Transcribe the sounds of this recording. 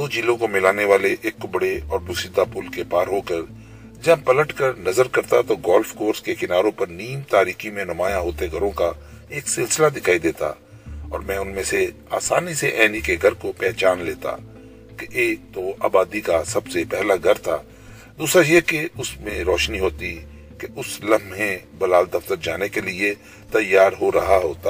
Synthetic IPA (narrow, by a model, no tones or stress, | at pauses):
d̪oːd͡ʒiːlõkomɪlaːneʋaːleʔeːkːʊbɽeɔːɾbʊsɪd̪apʊlkepaːɾɦoːkəɾ | d͡ʒɐbpɐləʈkəɾnɐzəɾkɐɾt̪at̪oɡɔːlfkoːɾskekɪnaːɾõpɐɾniːmt̪aːɾiːximẽnɐmaːjãɦoːt̪eɡʱɐɾõka | eːksɪlsɪlad̪ɪkʰaːid̪eːt̪a̰ | ɔ̰ːɾmɛ̃ːʊnmẽsea̰ːsaːniseʔɛːnikeɡʱɐɾkopɛːt͡ʃaːnleːt̪a̰ | keʔeːk̚t̪oʔa̰ːbaːd̪ikasɐbsepɛɦlaɡʱɐɾt̪ʰa̰ː | d̪uːsɾajekeʊsmẽɾɔːʃniɦoːt̪i | keʔʊslɐ̃mɦẽbɐlaːld̪ɐft̪əɾd͡ʒaːnekelie | t̪ɐjːaːɾɦoɾɐɦaɦoːt̪aː